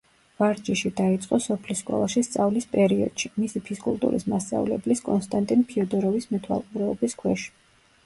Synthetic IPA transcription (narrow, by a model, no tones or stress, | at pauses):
vaɾd͡ʒiʃid̪ait̪sʼqʼɔsɔpʰliskʼɔ̰lˠaʃist̪sʼavlispʼɛɾiɔ̰d̪̥ʃimisipʰiskʼṵlˠt̪ʼṵɾḭsmast̪sʼa̰vlɛbliskʼɔ̰nst̪ʼant̪ʼinpʰiɔd̪ɔɾɔvismɛt̪ʰwa̰lˠqʼuɾɛɔbiskʰwɛʃ